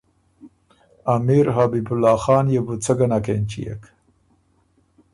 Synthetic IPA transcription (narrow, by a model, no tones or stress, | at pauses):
amiɾɦabibʊlːɑːxɑːnjebut͡səɡanakent͡ʃḭjḛk